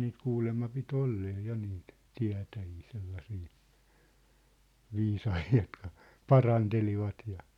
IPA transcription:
niːt kuːlemːɑ pit olːeː jɑ niːt tiæ̝tæjiː selːɑsiː ʋiːsɑhiː jotkɑ pɑrɑnteliʋɑt jɑ

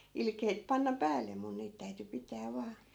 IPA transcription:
ilkeit pɑnːɑ pæːlːe mun niːt tæyty pitæː ʋɑː

